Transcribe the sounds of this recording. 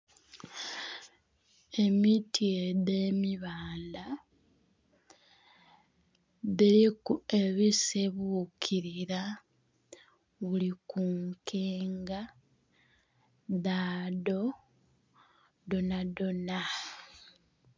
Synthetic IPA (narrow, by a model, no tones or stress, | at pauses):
e̞mitʰieðemiβaːnda | ðilikue̞βiseβukʰiɾiɾa | βulikuŋkʰeːŋɡa | ðaːdo̞ | donadona